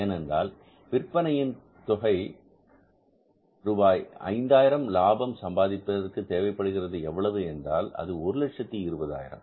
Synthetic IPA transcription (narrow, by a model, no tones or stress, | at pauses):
eːnɛndra̰ːl | pɪrpːɐnɐjɪn | t̪ɔɣɐɪ | ɾubaːjɐ̰ɪnd̪aːjɪɾɐmlaːbɐmsɐmbaːðɪpːɐðɐrkɯt̪eːʋɐɪpːɐɽɯɣɪrɐðɯɛʋːɐɭɐʋɯɛndraːlɐ̰ðɯɔɾɯlɐʈʂɐt̪ːiɪɾɯbɐða̰ːjɪ̰ɾɐ̰m